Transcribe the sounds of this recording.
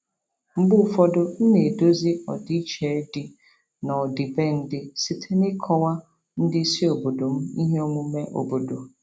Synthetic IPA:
m̩˦bʊ˦˨fɔ˦dʊ˦n̩˦ne˨do˦zɪ˦ɔ̰˨dɪ˦t͡ʃe˨˦dɪ˨ | na˨ɔ˨dɪ˨be˦n̩˦dɪ˦si˨tʰe˦nɪ˦kʰɔ˦wa˦ | n̩˦dɪ˦si˦o˨bo˨do˨m̩˦ḭ˦ɦe˦o˦mʊ̃˦me˦ʔo̰˨bo˨do˨

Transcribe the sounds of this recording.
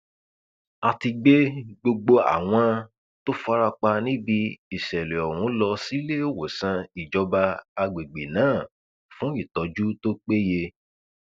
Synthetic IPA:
a˧ti˧ɡ͡be˦ɡ͡bo˧ɡ͡bo˧a̰˨w̃ɔ̃˧ | to˦fa˦ɾa˧k͡pa˧nĩ˦bi˧i˨ʃɛ˨lɛ˨ɔ˨wũ˨˦lɔ˧si˦le˦o˦wo˨sã˧i˨d͡ʒɔ˨˧˦ba˧a˧ɡ͡be˨ɡ͡be˨nãː˨˦˨ | fũ˦i˦˨tɔ˨˧d͡ʒu˦to˦k͡pe˦je˧

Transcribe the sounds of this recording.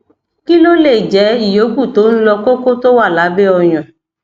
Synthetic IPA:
ki˦lo˦le˦˨d͡ʒɛ˨˦i˦˨jo˨˦ɡu˦˨to˨˦ñ̩˦lɔ˧ko˦ko˦to˦wa˦˨la˨˦bɛ˦ɔ˧j̃ɔ̃˨

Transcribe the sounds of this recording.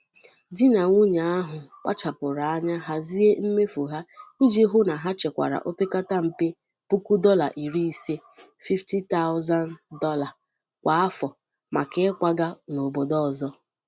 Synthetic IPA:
dɪ˦na˨ŋu˦ɲa˨a˦ɦʊ˨kʷa̰˦t͡ʃa˨pʊ˨ɾa˨a˦ɲa˦ɦa˦zi˦e˦m̩˦me˦fu˨ɦa˦i˦d͡ʒi˦ɦʊ˦na˨ɦa˦t͡ʃe˨kʷa̰˨ɾa̰˨ʔo˦pe˦ka˦ta˦m̩˨pe˦ | pu˦ku˦dɔ˦la˨ʔi˨ɾi˦i˨se˦ | fi˦fti˦ta˦ʊ˦za˦ndɔ˦la˨ | kʷa˨a˦fɔ˨ | ma˨ke˦kʷa˦ɡa˦no˨bo˨dɔ˦ɔ˨zɔ˦

